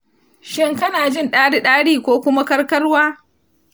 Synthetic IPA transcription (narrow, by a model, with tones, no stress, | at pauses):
ʃɪ˦ŋkɐ˦naː˨d͡ʒɪ˦˨nɗaː˦ɽi˦ɗaː˦ɽiː˦kʷoː˦kʷʊ˦ma˦kɐ˦ɽkɐ˦rwaː˦